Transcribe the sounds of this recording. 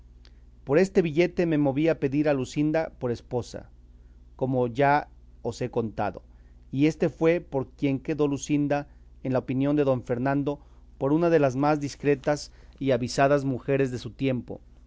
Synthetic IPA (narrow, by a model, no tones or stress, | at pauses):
po̞ɾe̞st̪e̞βiʝe̞t̪e̞me̞mo̞βiape̞ðiɾalusind̪apo̞ɾe̞spo̞sa̰ | ko̞mo̞ʝa | o̞se̞ko̞nt̪a̰ðo̞̰ | ie̞st̪e̞fwepo̞ɾkje̞ŋke̞ðo̞lusind̪a | enlaopinjo̞nd̪e̞ðo̞ɱfe̞ɾnãnd̪o̞ | po̞ɾunað̞e̞lazmazd̪iskɾe̞t̪asiaβisaðazmuxe̞ɾe̞zðe̞sut̪je̞mpo̞̰